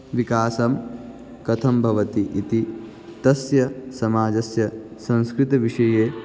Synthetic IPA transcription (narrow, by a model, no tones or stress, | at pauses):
ʋikaːsɐm | kɐt̪ʰɐmbʱɐʋɐt̪iʔit̪i | t̪ɐsjɐsɐmaːd͡ʒɐsjɐsɐ̃ñskɾit̪ɐʋiʂɐjeː